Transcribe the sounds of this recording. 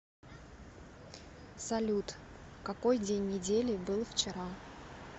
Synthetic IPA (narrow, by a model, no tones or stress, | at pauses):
sɐlʲut̪ | kɐko̞jdʲenʲːɪdʲelʲɪbɨlˠft͡ɕɪɾa